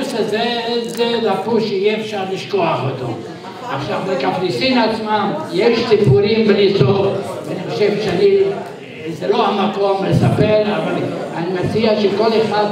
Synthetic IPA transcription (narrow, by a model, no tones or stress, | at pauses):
sezezedapuʃeijɛːfʃaʁliʃkoaχot̪o̰ | aχʃavbekapnisinat͡smamjeʃsipuɾimbenit͡sotveaniχoʃevʃeani | zelohamako̞mlesapeɾavalanimet͡siaʃeko̞leχad̪